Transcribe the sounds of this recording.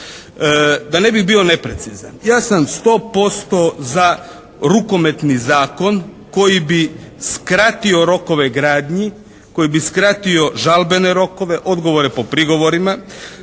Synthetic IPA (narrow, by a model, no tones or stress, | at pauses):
d̪ane̞biɣbio̞ne̞pɾe̞t̪siza̰njaːsamst̪o̞ːpo̞st̪o̞za | ɾuko̞me̞t̪nizaːko̞n | ko̞jibiskɾat̪io̞ɾo̞ko̞ʋeɡɾaːd̪ɲi | ko̞jibiskɾat̪io̞ʒalbe̞neɾo̞ko̞ʋe̞ʔo̞d̪ɡo̞ʋoɾepo̞pɾiɡo̞ʋo̞ɾima